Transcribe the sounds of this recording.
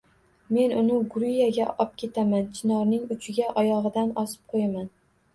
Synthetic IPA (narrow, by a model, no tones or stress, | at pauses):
me̞nʊnɪɡʊɾijaɡʲaʔɒp̚kʲʰe̞t̪ʰamant͡ʃʰɪnɒɾnɪŋʊt͡ʃʰɪɡʲaʔɒjɒʁɨd̪anɒsɪ̥p̚qʰojaman